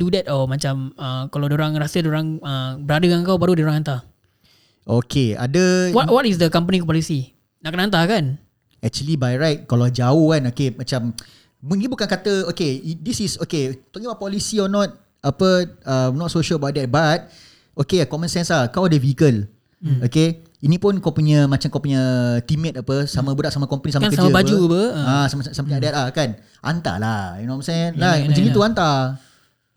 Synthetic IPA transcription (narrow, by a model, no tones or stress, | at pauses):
dudɛtɔmat͡ʃaməkalawdioɾaŋrasədioɾaŋəbəɾadəkaŋkawbaɾudioɾaŋant̪a | ʔokʰea̰dəwɔwɔtis̬dəkampənikɔpɔlisi | naʔkənaant̪̬akan | ɛk̚t͡ʃuəlibajɹajt̚kalad͡ʒaohkanokemat͡ʃam | mũɡĩbukankat̪əokeidisisoket̪ɔkĩəbaʊʔpɔlisiɔnɔt̚ | apəənɔt̚soʃələbaʔ̚dɛt̪̚bat̪̚ | okekɔmə̃nsɛnslahkawdəvikəl | oke | inĩpʊnkapuɲə̃mat͡ʃamkawpuɲə̃t̪imɛ̃t̪apəsamə̃budaʔsamãkɔmpənisamakəd͡ʒəbad͡ʒupəasmsampiadɛt̪̚lahkan | ʔa̰nt̪a̰lainɔmnsalaə̃d͡ʒənĩt̪uant̪a